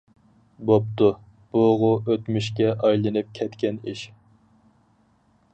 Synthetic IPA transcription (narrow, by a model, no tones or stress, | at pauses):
bop̚t̪u | b̥uʁʊʔøt̪myʃkʲɛʔɑjlˠɨnɨp̚kʲʰɛt̪kʲɛniʃ